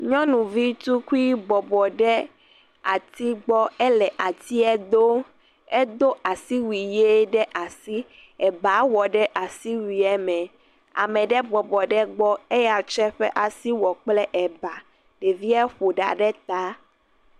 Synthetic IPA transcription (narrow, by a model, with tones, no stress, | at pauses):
ɲɔ̃˦nũ˨vi˦t̪u˦ku˦i˦bɔ˨bɔ˨ɖɛ˦ | a˨t̪i˦ɡ͡bɔ˦ɛ˦lɛ˨ʔa˨t̪i˦ɛ˦d̪o˦ | e˦d̪o˦ʔa˨si˦wi˨je˦ɖɛ˦ʔa˨si˦ | ɛ˨ba˨˦wɔ˨ɖɛ˦ʔa˨si˦wi˨ɛ˦mɛ̃˨ | a̰˨mɛ̃˨ɖɛ˦bɔ˨bɔ˨ɖɛ˦ɡ͡bɔ˦e˦ja˨t͡ʃɛ˦ɸɛ˦ʔa˨si˦wɔ˨k͡plɛ˦ʔɛ˨ba˨ | ɖe˨vi˦ɛ˦ɸo˨ɖa̰˨ɖɛ˦t̪a˦